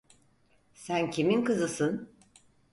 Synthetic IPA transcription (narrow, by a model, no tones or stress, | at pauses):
sæncʰiminkɯzɯsɯn